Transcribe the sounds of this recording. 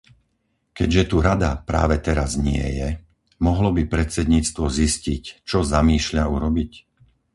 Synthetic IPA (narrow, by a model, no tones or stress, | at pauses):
kɛɟʒɛt̪uɾad̪apɾa̰ːʋɛt̪ɛɾazɲɪɛ̰jɛ | mɔɦlɔbipɾɛt̪t͡sɛd̪ɲiːt͡st̪ʋɔziscict͡ʃɔzamiːʃʎauɾɔbic